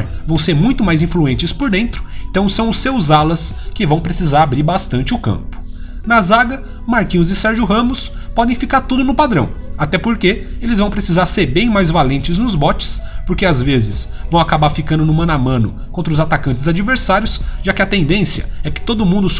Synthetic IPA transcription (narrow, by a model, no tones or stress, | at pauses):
ɾvɐ̃w̃seɾmũj̃t̪ʊmajzĩfluẽnt͡ʃɪspoɾd̪ẽnt̪ɾʊ̥ẽnt̪ɐ̃w̃sɐ̃w̃ʊsːewzalɐskɪvɐ̃w̃pɾesizaɾabɾiɾbast̪ɐ̃nt͡ʃɪʊkɐ̰̃mpʊ̥ | nɐzaɡɐ | maɾkĩʊzɪsɛɾʒʊɦɐ̃mʊs | pɔd̪ẽj̃fikaɾt̪ud̪ʊnʊpad̪ɾɐ̰̃w̃at̪ɛpoɾkeelɪzvɐ̃w̃pɾesizaɾseɾbẽj̃majzvalẽnt͡ʃɪznʊzbɔt͡ʃɪ̥spoɾkeazvezɪsvɐ̃w̃akabaɾfikɐ̃nd̪ʊnʊmɐ̃namɐ̃nʊ | kõnt̪ɾʊzat̪akɐ̃nt͡ʃɪzad͡ʒiveɾsaɾjʊsʒakɪɐt̪ẽnd̪ẽsjɐ̰ɛkɪ̥t̪od̪ʊːmũnd̪ʊs